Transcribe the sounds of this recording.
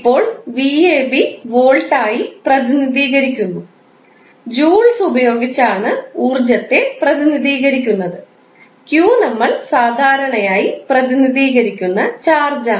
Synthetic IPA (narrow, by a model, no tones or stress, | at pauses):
ipːo̞ːɭʋieːbiʋo̞ːɭʈaːjiprɐðiniðiːɣɐɾikʲːunːu | d͡ʑuːɭsubɐjo̞ːɡit͡ɕːaːɳɨuːrd͡ʑɐt̪ːe̞prɐðiniðiːɣɐɾikʲːunːɐðɨ | kjuːnɐmːɐɭsaːd̪ʱaːɾɐɳɐjaːjiprɐðiniðiːɣɐɾikʲːunːɐt͡ɕaːrd͡ʑa